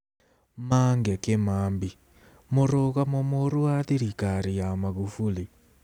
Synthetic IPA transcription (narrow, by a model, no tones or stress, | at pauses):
maːŋɡɛkemaːmbi | moɾoɣamɔmoɾuwaðiɾikaɾijamaɣufuli